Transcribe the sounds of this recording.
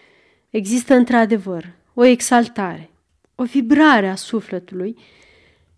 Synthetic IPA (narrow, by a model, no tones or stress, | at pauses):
e̞ɡzist̪əɨnt̪ɾad̪e̞vər | o̞e̞ɡsalt̪aɾe̞ | o̞vibɾaɾeasufle̞t̪uluj